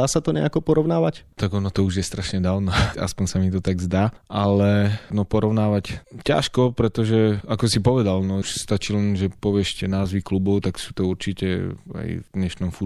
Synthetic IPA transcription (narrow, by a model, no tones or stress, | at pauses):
aːsat̪ɔɲɛ̰akɔpɔɾɔʊnaːʋact̪aɡɔnɔt̪ɔuʒjɛst̪ɾaʃɲɛd̪aːʊnaa̰spɔɲsamit̪ɔt̪aɡzd̪aːʔalɛnɔpɔɾɔʊnaːʋacca̰ʃkɔpɾɛt̪ɔʒɛakɔsipɔʋɛd̪alnɔuʃst̪at͡ʃiːlɛnʒɛpɔʋɪɛʃcɛnaːzʋiklubɔʊt̪aksuːt̪ɔuɾt͡ʃicɛ̰a̰jvd̪ɲɛʃnɔmfu